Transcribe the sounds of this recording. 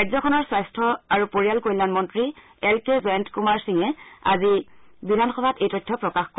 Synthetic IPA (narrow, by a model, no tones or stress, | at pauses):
kajzɔkʰɔnɔɹsajstʰɔaɹupoɹialkojlanmɔntɹi | ɛlkezɛntkumaɹsiŋɛa̰zibidʱanxɔbʱatejtɔjtʰːɔpɹɔkaxkɔ